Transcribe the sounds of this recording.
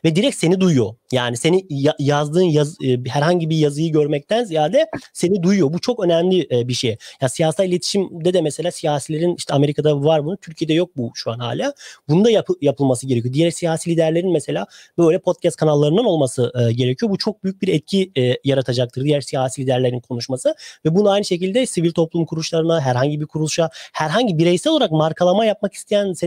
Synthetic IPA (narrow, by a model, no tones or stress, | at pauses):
vɛd̪iɾɛc̪̚se̞nid̪ujujo̞jaːnise̞nijajazd̪ɯːnjazɦæɾhaɲɟibijazɯjɯɟøɾmɛc̚t̪ʰænzijaːd̪ɛse̞nid̪ujjo̞but͡ʃʰo̞kø̞nɛmlʲiʔɛbiʃejjaːnsijaːsalʲˠilʲe̞t̪ʰi̥ʃimd̪ɛd̪ɛmɛse̞lʲaːsijaːsilʲe̞ɾiniʃt̪ʰɛame̞ɾikʰad̪avaɾbunut̪ʰyɾcʰije̞d̪ɛjo̞k̚buʃuanha̰ːlʲaːbunund̪ajapjapʰɯlˠmasɯɟeɾecʰyjod̪ijæɾsijaːsilʲid̪æɾlʲeɾinmɛse̞lʲaːbø̞jlʲɛpʰo̞t̪̚cʰɛst̪̚kʰanalˠːaɾɯnɯno̞lˠmasɯʔɟe̞ɾecʰyjo̞but͡ʃʰo̞k̚byjyc̚biɾɛt̪̚cʰiɛjaɾat̪ʰad͡ʒak̚t̪ʰɯɾd̪ijæɾsijaːsilʲid̪æɾlʲeɾinkʰo̞nuʃmasɯvɛbunuajnɯʃe̞cilʲd̪ɛsivilʲt̪ʰo̞plˠumkʰuɾulˠuʃlˠaɾɯnaɦæɾɦaɲɟibiɾkʰuɾulˠuʃahæɾɦaɲɟibiɾɛjsɛlolˠaɾakmaɾkʰalˠamajap̚maki̥st̪ʰejænse